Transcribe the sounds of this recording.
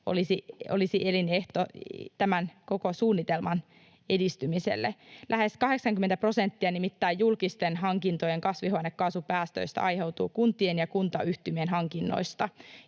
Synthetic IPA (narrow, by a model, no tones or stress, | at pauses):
o̰lisio̰lisiʔelineht̪ot̪æmænko̞kosuːnːit̪elmɑn | e̞dist̪ymisḛlːelʔæɦe̞skɑɦe̞ksɑŋkyment̪æpro̞sent̪ːiɑnimit̪ːæːjjulkist̪enɦɑŋkint̪ojeŋkɑsʋiɦoɑnekːɑːsupæːst̪ø̰ist̪æ̰ʔɑjhe̞wt̪ṵːkunt̪ˑienjɑkunt̪ɑyht̪ymienɦɑŋkinːo̰ist̪ɑ